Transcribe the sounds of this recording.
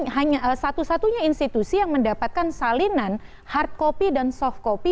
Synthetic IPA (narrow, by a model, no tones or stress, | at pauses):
ɦaɲasat̪usat̪uɲainst̪it̪usijaŋməndapat̪̚kansalinan | hart̪̚kopidansɔft̪̚kopi